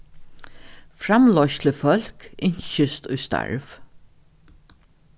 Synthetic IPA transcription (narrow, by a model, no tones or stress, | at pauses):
fɾamlɔʃt̪ləfœl̥kɪɲʃɪst̪ʊjst̪a̰ɹv